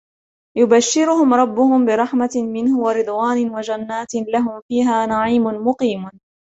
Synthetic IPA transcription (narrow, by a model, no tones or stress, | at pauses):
jʊbaʃːɪɾʊhʊmɾˤɑbːʊhʊmbɪɾˤɑħmamɪnhʊwaɾɨd̪ˤwaːnɪwad͡ʒanːaːt̪laɦʊmfiːɦaːnaʕiːmʊnmʊqiːm